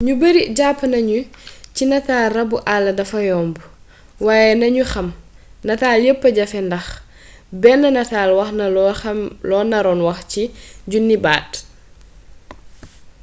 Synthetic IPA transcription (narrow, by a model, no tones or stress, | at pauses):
ɲubəɾiɟaːpːnɐɲucinɐtaːlrɐbuʔalːɐdɐfɐjɔːmbu | waːjɛnɐɲuxɐm | nɐtaːljəpːəɟɐfɛndɐx | bɛnːɐnɐtaːlwɐxnɐɔɐmlɔːnɐɾɔːnwɐxciɟunːiba̰ːt